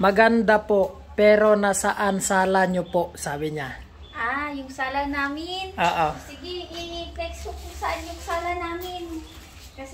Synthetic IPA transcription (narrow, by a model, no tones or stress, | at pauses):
mɐɡand̪apoʔ | pɛːɾonasaʔansaːlaɲopoʔsaːbɪɲa | ʔajʊŋsaːlanaːmɪnʔoʔosɪɡɪɪpɾɛksopʊsɐʔanjʊŋsaːlanaːmɪn | kɐs